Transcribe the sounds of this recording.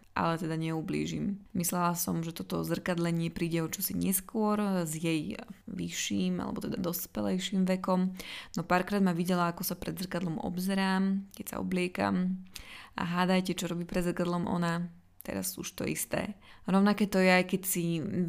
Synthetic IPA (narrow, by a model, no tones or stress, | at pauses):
ʔa̰lɛt̪ɛd̪aɲɛublḭːʒḭmmislɛlasɔmʒɛt̪ɔt̪ɔzr̩kad̪lɛɲɪɛpɾiːɟɛɔt͡ʃɔsiɲɛskʊɔɾzjɛjʋiʃːiːma̰lɛ̰bɔt̪ɛd̪ad̪ɔspɛlɛjʃiːmʋɛkɔmnɔpaːɾkɾaːd̪maʋiɟɛlaakɔsapɾɛd̪zr̩kad̪lɔmɔ̰bzɛɾaːmkɛcsa̰ɔ̰blɪɛka̰m | a̰ɦaːd̪ajcɛt͡ʃɔɾɔbiːpɾɛd̪zr̩kad̪lɔmʔɔ̰na | t̪ɛ̰ɾa̰suʃt̪ɔ̰ḭst̪ɛ̰ːɾɔʊnakɛːt̪ɔjɛajkɛcsi